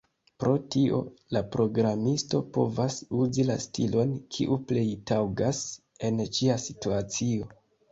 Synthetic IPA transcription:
pɾo̞tio̞̰lapɾo̞ɡɾamisto̞po̞̰vasuzila̰stilo̞nkʰḭʔuple̞jtawɡas | e̞nt͡ʃiasituat͡sio̞

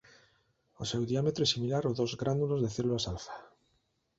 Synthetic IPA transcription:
osewðiamet̪ɾoesimilaɾoðozɣɾand̪ulozðeθelulasalθḁ

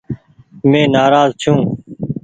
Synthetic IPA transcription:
mẽːnaːɾaːzt͡ʃʰũː

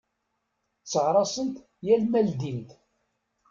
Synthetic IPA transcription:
t͡sːəʁɾˤɑsənt̪ | jælmæld̪int̪

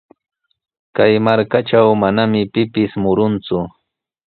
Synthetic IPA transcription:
kajmaɾkaʈ͡ʂawmanamɪpɪpɪsmʊɾʊnt͡sʊ

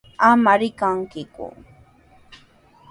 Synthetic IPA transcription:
amaɾɪkaŋkɪkʊ̰

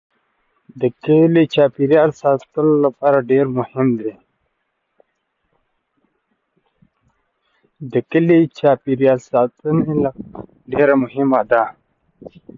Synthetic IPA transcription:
d̪əkəlit͡ʃapiɾjalsat̪əlolapaɾaɖeɾmʊhɪmd̪e | d̪əkəlit͡ʃapiɾjalsat̪ənela | ɖeɾamʊhɪmad̪a

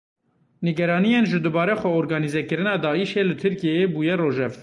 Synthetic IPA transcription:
nɨɡɛɾɑːnijenʒɨd̪ɨbɑːɾɛxʷɛoɾɡɑːnizɛkɨɾɨnɑːd̪ɑːiʃeːlɨt̪ʰɨɾkijeebuːjɛroːʒɛv

